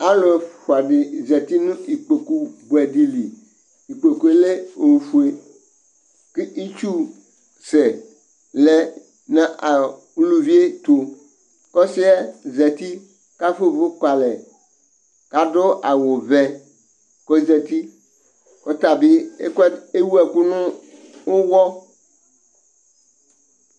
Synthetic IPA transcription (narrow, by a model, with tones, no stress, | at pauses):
a˦lʊ̃˦ɛ˨fʊ˨a˨ɖɪ˨zɛ˨t̪i˦nũ˦i˨k͡po˨ku˦bʊ˨ɛ˨di˨li˨ | i˨k͡po˨ku˦e˨le˦o˨u˨fu˨e˨ | ke˦i˦t͡ʃu˦ | sɛ˨ | lɛ˦ | nã˦ʔa˨ | u˦lu˦vi˦e˦t̪o˨ | kɔ˦sɪ˦ɛ˦zɛ˨t̪i˦ | ka˦fo˦˨vʊ˦ka˨lɛ˨ | ka˦dʊ˦ʔa˨wʊ˨vɛ˨ | kɔ˦i˦zɛ˨t̪i˦ | o˦t̪a˨bɪ˦e˦ke˦wu˦ɛ˨ku˦nʊ̃˦ | ʊ˦wɔ˦